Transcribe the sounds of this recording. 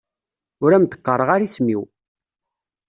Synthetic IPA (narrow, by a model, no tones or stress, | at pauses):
ʊɾæmt̪ə̥qːəɾˤəʁaɾismiw